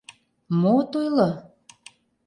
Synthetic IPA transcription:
mot̪ujlɤ

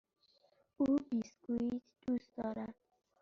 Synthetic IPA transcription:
uːbisɡuit̪d̪̥usd̪ɔːɾæd̪̥̚

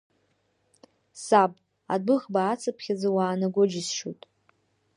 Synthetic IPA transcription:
sabʼ | adɨχbaːt͡sʰɨpʰχʲad͡zawaːnaɡʷod͡ʒɪsʃutʼ

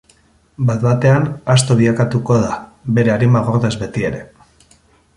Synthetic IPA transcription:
bat̪βat̪e̞anast̪o̞βiakat̪uko̞ðabe̞ɾe̞aɾimaɣoɾðe̞zβe̞t̪ie̞ɾe̞

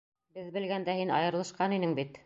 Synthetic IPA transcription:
bɘðbɘ̆lɡænd̪æhinɑ̰jɤ̆ɾlˠɤ̆ʃqɑninɘŋbit̪

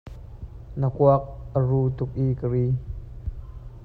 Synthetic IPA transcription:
nəkuak̚ʔəruːt̪ʊk̚ʔiːkəɾiː

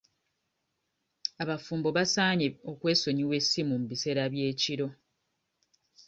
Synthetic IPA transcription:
aβafuːmbo̞βasaːɲeo̞kwe̞ːso̞ɲiwe̞simumuβise̞ɾaβje̞ːciɾo̞

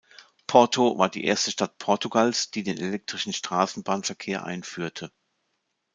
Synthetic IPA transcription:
pʰɔɐtʰova̰ːɐdḭːʔḛːɐstəʃtatpʰɔɐtuɡalsd̥iːdeːnelɛk̚tʁ̥ɪʃn̩ʃtʁ̥aːsn̩baːnfɛɐkʰeːɐʔa̰ɪnfyːɐtʰə

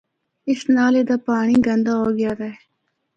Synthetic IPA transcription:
ɪsnaːled̪aːpaːɳ̃iɡɐ̃nd̪aɦoːɡɪjaːd̪ɐe

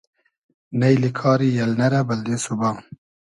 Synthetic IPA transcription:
nɐjlikʰɑːɾijɐlnɐɾabɐld̪esubaː

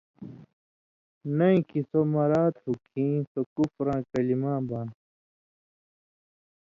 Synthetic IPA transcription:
nɐĩkisomɐɾaːt̪hukʰĩːsokufɾãːkɐlimãːbãːn

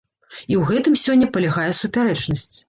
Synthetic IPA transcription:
iwɣɛt̪ɨmsʲɔnʲːɐpɐlʲaɣajɛsupʲaɾɛt͡ʂnɐsʲt͡sʲ

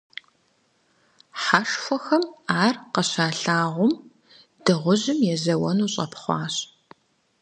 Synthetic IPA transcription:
ħaʂxʷɔxɐmaːrqɐɕaːɬaːʁʷʊm | d̥ɨʁʷʊʑɪmjɛzɐwɐnuːɕʼɐpʰχʷɑːɕʼ

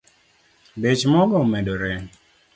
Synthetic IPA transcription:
bet͡ʃmɔɡɔmɛdoɾɛ

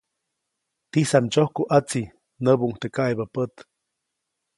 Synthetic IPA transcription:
t̪isamt͡ʃohkuʔat͡si | nəbuŋt̪ekajbapət̪

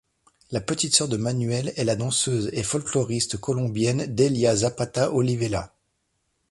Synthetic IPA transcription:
lapət̪it̪sœʁd̪əmanɥɛlɛlad̪ɑ̃søzefɔlklɔʁist̪kɔlɔ̃bjɛnd̪eljazapat̪aʔɔlivela

